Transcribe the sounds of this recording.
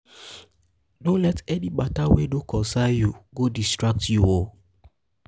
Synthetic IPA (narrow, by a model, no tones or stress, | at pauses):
dõnlɛtɛniɡ͡batawedokɔ̃sajuɡodistɹak̚tjuwo